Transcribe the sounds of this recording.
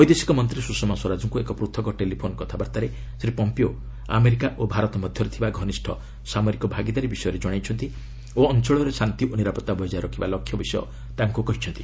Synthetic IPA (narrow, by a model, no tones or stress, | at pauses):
ɔjd̪esi̥kɔmɔnt̪ɾisusɔmaswɔɾad͡ʒɔŋkuekɔpɾut̪ʰɔkɔʈelipʰonɔkɔt̪ʰabaɾt̪aɾe | sɾipɔmpio | a̰meɾikaʔobʱaɾɔt̪ɔmɔd̪ʱjɔɾet̪ʰibaɡʱɔnisʈʰɔ̰ | samɔɾikɔbʱaɡid̪aɾibisɔjɔɾed͡ʒɔɽ̃ajt͡ʃʰɔnt̪i | oɔnt͡ʃɔɭɔɾesant̪iʔoniɾapɔt̪ːabʱɔjd͡ʒaɾɔkʰibalɔkʰːjɔbisɔjɔ̰ | t̪aŋkukɔɦit͡ʃʰɔnt̪i